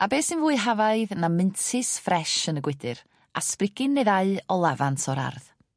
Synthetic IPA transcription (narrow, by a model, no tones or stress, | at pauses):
abeːsɨnvuːɨɦavaɨðnamɨntʰɪsfrɛʃənəɡwɪdɨɾ | a̰sprɪɡɪnːeðaɨɔlˠavantʰɔɾa̰rð